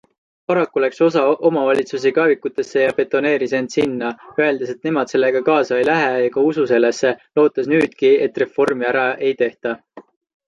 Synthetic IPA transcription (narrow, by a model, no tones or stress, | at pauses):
pɑɾɑkːulækso̞sɑʔo̞mɑvɑlʲit̪sus̬ikɑːvikːut̪ːˑe̞sːe̞jɑpe̞t̪ːˑo̞ne̞ːɾise̞nd̪̥sinːɑøe̞ld̪̥e̞se̞t̪ne̞mɑd̪̥se̞lːe̞ɡ̥ɑkɑːsɑjlæɦejɑɡɑususe̞lːesːe̞lo̞ːt̪ːˑɑsnyːd̪̥kie̞t̪ːˑre̞fo̞rmiæɾɑe̞jt̪e̞ht̪ɑ